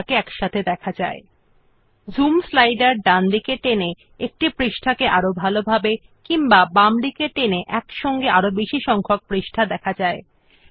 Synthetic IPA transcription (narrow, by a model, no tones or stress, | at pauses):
keɛkʃat̪ʰed̪ɛkʰad͡ʑa̰e | zumslajɖaɾɖand̪ikeʈene | ek̚ʈipɾiʃʈʰakeʔaɾobʱalobʱabe | kiŋbabamɖikeʈeneʔɛkʃɔŋɡeaɾobiʃiʃɔŋkʰok̚pɾiʃʈʰad̪ɛkʰad͡ʑae